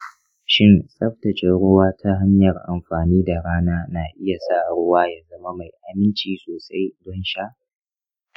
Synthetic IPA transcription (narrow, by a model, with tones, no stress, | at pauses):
ʃɪ˦nsʼɐ˦ɸtɐ˨t͡ʃe˨ɽʊ˦waː˦tʰa˦ɦa˦ɲjɐ˨rʔa˨mɸaː˨niː˦da˨ɽaː˦naː˦naː˨ʔɪ˦ja˨sa˦˨ɽʊ˦waː˦jaː˦zɐ˦ma˦ma˨jʔa˨mɪ˦nt͡ʃiː˨soː˨sa˦jdɔ˦nʃa˦ʔ